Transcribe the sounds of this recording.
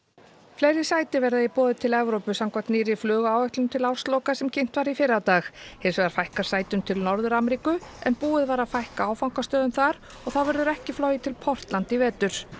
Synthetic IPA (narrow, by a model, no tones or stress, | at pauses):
flejɾɪ̥saːjt̪ɪvɛɾðaipɔːðʏt̪ʰɪlɛvɾowpʏsawmkʰvat̪niːɾɪflœːɣaːwɛht̪lʏmt̪ʰɪlawɾ̥st̪lowkasɛmcʰejn̥t̪vaɾifɪɾat̪aːxhɪ̥svɛɣɾfajhkaɾ̥saːjt̪ʏmt̪ʰɪlnɔɾðʏɾamɛɾiːkʏɛ̰npuːɪðvaːɾaðfajhkaaːwfawŋkast̪œːðʏmθaɾ | ɔɣθaðvɛɾðʏɾɛhcɪflɔːjɪt̪ʰɪlpʰɔr̥t̪lant̪ɪvɛːt̪ʏɾ̥